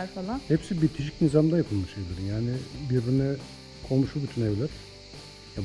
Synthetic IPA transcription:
falˠahɛpsibiɾt̪ʰiʃi̥cnizamd̪ajapʰɯlˠmɯʃevlʲeɾimjaːnɪbiɾbinɛ | kʰolˠmuʃubyt̪ʰynevlʲɛɾ̥ | ja

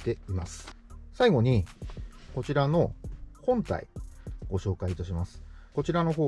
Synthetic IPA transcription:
t̪e̞imasɨ̥saiɡo̞ɲ̟i | ko̞t͡ɕiɾano̞hõ̞nt̪a̰ḭɡ̥o̞ɕo̞ːkaiːt̪aɕimasɨ̥ko̞t͡ɕiɾano̞ɦo̞ː

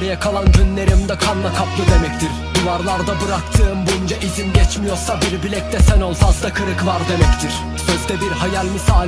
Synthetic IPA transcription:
ɾijakʰalˠanɟynlʲe̞ɾimd̪ɛkʰanˠmˠakʰaplˠɯd̪e̞mɛct̪ʰiɾ | d̪uvaɾlˠaɾd̪abɯɾakt̪ʰɯːmbujund͡ʒaʔizinɟɛt͡ʃmijo̞ɾsabiɾbilʲɛc̚t̪ʰɛsænolˠfazd̪akʰɯɾɯkvaɾd̪e̞mɛct̪ʰiɾ̥ | søzd̪ɛbiɾhajalʲmisaː

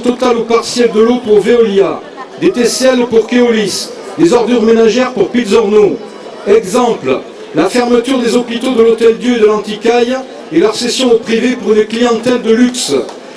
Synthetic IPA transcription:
t̪ɔt̪alupaʁsjɛld̪əlopuʁveɔlja | d̪et̪ɛsɛlpuʁkeɔlis | d̪ezɔʁd̪yʁmenaʒɛʁpuʁpilzɔʁno | ɛɡzɑ̃pl | lafɛʁmət̪yʁd̪ezɔpit̪od̪əlot̪ɛld̪jøed̪əlɑ̃t̪ikaj | elœʁsesjɔ̃opχivepuʁynəklijɑ̃t̪ɛld̪əlyks

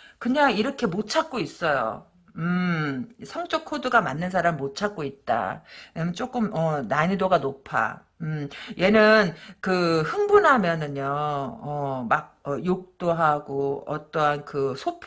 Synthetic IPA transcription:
kɯɲaŋiɾʌkʰemot͡ɕʰak̚k͈ois͈ʌjo̰ | ɯ | sʰʌŋt͡ɕ͈ʌkʰodɯɡamanːɯnsʰaɾamimot͡ɕʰak̚k͈oit̚t͈a̰emt͡ɕ͈ok͈ɯmʌnaɲidoɡanopʰa̰ | ɯmje̞nɯnkɯhɯŋbunɦamjʌnɯɲoʌmaɡ̚ʌjok̚t͈oɦaɡoʌ̰t͈ʌnkɯsʰopʰ

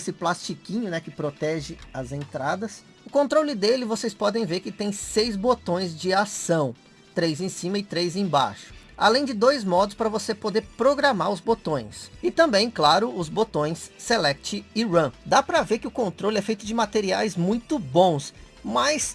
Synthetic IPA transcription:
esɪplast͡ʃikĩɲʊnɛkɪpɾot̪ɛʒɪɐzẽnt̪ɾad̪ɐs | ʊkõnt̪ɾolɪd̪elɪvosejspɔd̪ẽj̃veɾkɪt̪ẽj̃sejzbot̪õj̃zd͡ʒɪasɐ̃w̃ | t̪ɾejzẽj̃sĩmɐɪt̪ɾejzẽj̃ba̰ʃʊ̥a̰lẽj̃d͡ʒɪd̪ojzmɔd̪ʊspɾɐvosepod̪eɾpɾoɡɾamaɾʊzbot̪õj̃sɪt̪ɐ̃mbẽj̃klaɾʊʊzbot̪õj̃sːelɛk̚t͡ʃɪɪɾɐ̃d̪apɾɐveɾkɪʊkõnt̪ɾolɪɛfejt̪ʊd͡ʒɪmat̪eɾiajzmũj̃t̪ʊbõw̃smɐjs

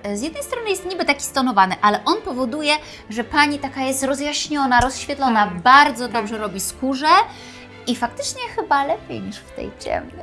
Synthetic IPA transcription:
zʲjɛd̪nɛjst̪ɾɔnɘjɛst̪ɲibɘt̪akʲi̥st̪ɔnɔvanɘʔalɛʔɔnpɔvɔd̪ujɛ | ʐɛpaɲit̪akajɛst̪ɾɔzjaɕɲɔnaɾɔsɕfʲjɛt̪lɔnabaɾd̪zɔd̪ɔbʐɛɾɔbʲiskuʐɛ | ifak̚t̪ɘt͡ʂɲɛxɘbalɛpʲjḛjɲiʂft̪ɛ̰jt͡ɕɛ̰mnɘ

